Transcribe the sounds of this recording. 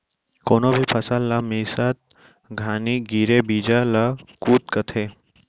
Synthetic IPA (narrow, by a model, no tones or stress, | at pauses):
koːnoːbʱipʰəsalːamiːsat̪̚ | ɡʱaːniːɡiːɾebiːd͡ʒalakuːt̪̚kət̪ʰeː